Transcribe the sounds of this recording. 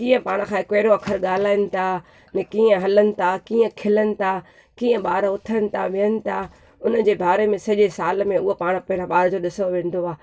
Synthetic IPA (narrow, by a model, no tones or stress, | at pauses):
kiːə̃paːɽ̃̆kʰãːɪkeːɪɾoɐkʰəɾɠaːlaːɪnɪ̆t̪ʰa | nɛkiːə̃ɦɐlənɪ̆t̪ʰakiːə̃kʰɪlənɪ̆t̪ʰa | kĩːə̃ɓaːɾʊt̪ʰənɪ̆t̪ʰaʋiənɪ̆t̪ʰa | ʊnə̆d͡ʑeːbʱaːɾemẽsɐʄesaːlmẽʊɦopaːɽ̃pɐɦɪɾə̃ɓaːɾd͡ʑoːɗɪsoʋẽːn̆d̪oaː